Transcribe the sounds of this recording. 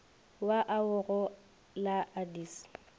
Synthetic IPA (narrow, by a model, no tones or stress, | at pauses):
waʔaʊɣɔ | laʔadiːs